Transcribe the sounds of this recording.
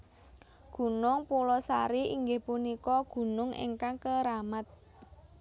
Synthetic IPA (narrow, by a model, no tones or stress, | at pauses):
ɡ̥ṳnʊŋpulɔsaɾiiŋɡɪhpunikɔɡ̥ṳnʊŋḛŋkaŋkəɾamat̪̚